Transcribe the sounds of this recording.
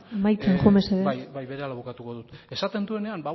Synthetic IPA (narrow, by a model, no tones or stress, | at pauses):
majt͡seŋxomeseðebajβe̞ɾealaβukat̪ukoðut̪e̞sat̪e̞nd̪ue̞ne̞anba